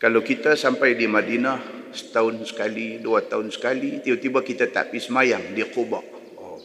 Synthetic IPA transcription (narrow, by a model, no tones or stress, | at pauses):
kalawkit̪asampajdimadinahsə̥t̪aʊnsə̥kaliduat̪aʊnsə̥kalit̪iat̪ibakit̪at̪a̰pisəmajaŋdikobaʔ | o